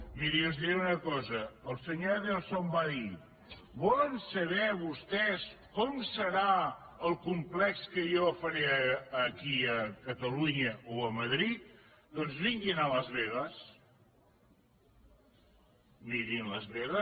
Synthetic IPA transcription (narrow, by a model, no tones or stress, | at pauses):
miɾiəzðiɾɛunəkɔzəəlˠsəɲoðelsombaði | bɔlənsəβɛβust̪ɛskɔmsəɾa | əlˠkumplɛkskəjɔfəɾɛəːkiəkət̪əluɲəʔoəməðɾit̪̚ | d̪ɔnzβiŋɡinələzβeðəs | miɾinləzβeɣə